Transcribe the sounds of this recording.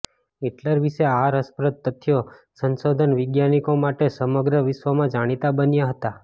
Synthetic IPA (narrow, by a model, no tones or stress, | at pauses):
eʈləɾʋiʃeaɾəspɾəd̪̚t̪ːət̪ʰːjosənsod̪ʱənʋɪɡjanikomaʈesəməɡɾəʋɪʃʋəmãd͡ʒaɽ̃it̪abənjaɦət̪a